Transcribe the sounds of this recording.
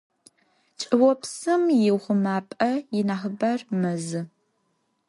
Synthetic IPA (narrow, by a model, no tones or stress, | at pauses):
t͡ʃʼɨwɔpsɨmjɪwχʷʊmaːpʼɐjɪnaːχəbɐrmɐzɨ